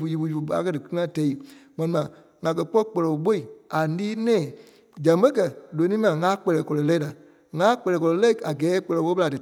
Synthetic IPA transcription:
fu˨˧ji˧fu˧˦u˧fu˨˧a̰˨˦kɜ˦dɨ˨kɨ˦ŋã˦tɛ˨˦i˨mɛ̃˧nĩ˧mã˨ | ŋã˨kɜ˧k͡pɔ˦k͡pɔ˧lɔ˨˦ɓo˦i˨a˨liː˦nɛ̃ː˦˨ | d͡ʒã˨˦bə̃˦kɜ˨lo˨˦nĩː˦mã˨ŋã˨˦k͡pɛ˧lɛː˨kɔ˧lɔ˨˦lɛ˦i˦a˨ | ŋã˨˦k͡pɛ˧lɛː˨kɔ˧lɔ˨˧˦lɛ˦i˦a˨ɡɛː˨˦k͡pɔ˧lɔ˨˦ɓo˦ɓə˧la˨dɨ˨

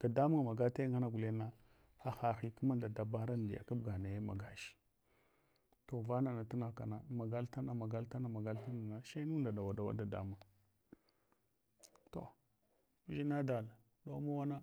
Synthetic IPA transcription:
d̥a˨da˦mu˦ŋa˨ma˨ɡa˦ta˦ŋɡa˦na˦ɡu˨le˦na˦ | a˨xa˨xi˨ku˦ma˦nda˨da˨ba˦ɾa˦n˨di˨ja̰˨ka˦bɡa˨na˨ja˦ma̰˨ɡa˨ʃi̥˦ | to˨va˦na˨na˨ta˦na˨ka̰˨na˨ma˨ɡa˦lta˦na˨ma˨ɡa˦lta˦na˨ma˨ɡa˦lta˦na˨na˨ʃe˦nu˦nda˨da˨wa˨da˨wa̰˦da˨da̰˦ma˨ŋ˨ | to̰˨˦ | ʒi˦na˦da˨l | do˦ma˦wa˦na˦

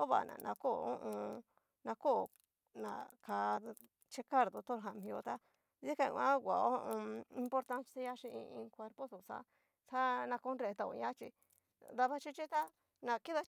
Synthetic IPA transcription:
o˦βa̰˨nã̰˨nʔã̰˧ko˦˨õ˦ʔõ˧ | nã˧ko˦˨ | nã̰˨ka˧ | t͡ʃe˦ka˦˨ɾd̪o˧t̪o˦ɾɦa˨mĩ˧o˧t̪a˦ | zi˦kã̰˧˨˧ã˦ɡʷa˨o˦˧õ˧ĩ˧mpo˧ɾt̪a˦nse˦ɲa˦ʂĩ˧i˧ĩ˧kʷe˧ɾpo˦su˨sa̰˦ | sa˦nã˧ko˧˦nɾe˧t̪a˧o̰˧˨˧ɲã˦t͡ʃḭ˧ | d̪a˧βa˦t͡ʃi˧t͡ʃi˦t̪a˦ | nã˨ki˦ða˧

